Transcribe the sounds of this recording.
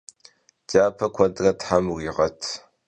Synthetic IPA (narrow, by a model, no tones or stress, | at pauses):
d͡ʒaːpʰɐkʷʰɔdrɐtħamriːʁɐtʰ